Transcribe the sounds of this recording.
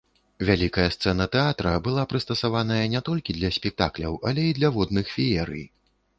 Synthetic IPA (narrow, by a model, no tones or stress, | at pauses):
vʲalʲikɐjɐst̪sɛnɐt̪ɛat̪ɾɐbɨlˠapɾɨst̪ɐsavanɐjɐnʲɛt̪ɔlʲkʲid̪lʲɐsʲpʲɛk̚t̪a̰klʲɐ̰wʔɐlʲɛid̪lʲɐvɔd̪nɨxfʲijɛɾɨ̰j